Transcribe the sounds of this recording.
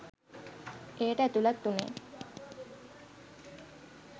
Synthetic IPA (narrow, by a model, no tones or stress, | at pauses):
ʔeːʈəæt̪ulat̪ːunḛː